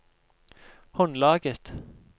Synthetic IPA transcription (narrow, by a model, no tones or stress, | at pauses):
hɔnlɑːɡət̪